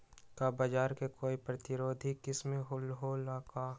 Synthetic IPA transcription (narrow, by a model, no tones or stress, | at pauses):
kabɐd͡ʒaːɾkekoːipɾɐt̪ɪɾoːd̪ʱikɪsmẽɦʊlɦoːlaːka